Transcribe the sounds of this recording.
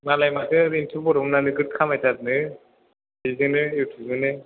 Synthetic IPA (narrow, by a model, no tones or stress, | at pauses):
malajmakɯɾintʰubɔɾɔmnanɯɡɯt̚kʰamajtʰat̚nɯ | bizɯnɯjuwtʰɯzɯnɯ